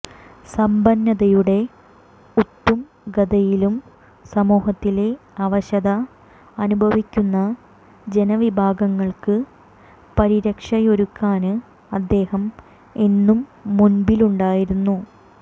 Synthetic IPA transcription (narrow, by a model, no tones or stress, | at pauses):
sɐmbɐnːɐðɐjuɽe̞ | ut̪ːum | ɡɐd̪ɐjilum | sɐmuːɦɐt̪ːile̞ɐʋɐɕɐðɐː | nubʱɐʋikʲːunːɐ | d͡ʑe̞nɐʋibʱaːɡɐŋːɐɭkɨ | pɐɾiɾɐkʂɐjo̞ɾukːaːnɨ | ɐd̪ːe̞ːhɐm | e̞nːumːunbiluɳɖaːjiɾunːu